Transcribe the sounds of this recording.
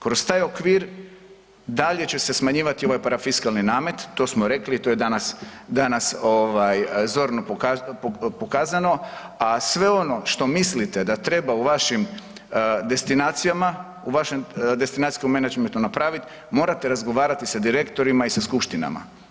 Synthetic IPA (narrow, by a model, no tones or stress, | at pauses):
kɾo̞st̪aːjo̞kʋiːɾ | d̪aʎe̞t͡ɕe̞se̞smaɲiːʋat̪io̞ʋajpaɾafiskalˠninaːme̞t̪ːo̞smoɾe̞klit̪ojed̪anasd̪anasoʋajzo̞ɾnopokapo̞kaːzano̞ | asʋe̞o̞no̞ʃt̪o̞mislit̪ed̪at̪ɾe̞bauʋaʃim | d̪e̞st̪inaːt̪sijama | uʋaʃemd̪e̞st̪inaːt̪sijkome̞nad͡ʒment̪unapɾaːʋit̪ | mo̞ːɾat̪e̞ɾazɡoʋaːɾat̪isad̪iɾe̞kt̪o̞ɾimaisaskupʃt̪ina̰ma̰